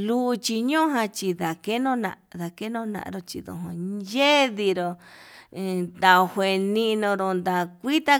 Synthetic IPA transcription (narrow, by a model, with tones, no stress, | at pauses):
lu˦˧t͡ʃi˧ɲõ˦ɦã˧t͡ʃi˧ða˨ke˦nõ˦nã̰˧ða˨ke˦nõ˦˧nã̰˧ʔɾo˧t͡ʃi˧ðõ̰˨ɦõ˧je˦ði˧ɾõ˧ | t̪a˧hʷwʷe˨nĩ˧nõ˧ɾõ˧nd̪a˧kʷi˦t̪a˦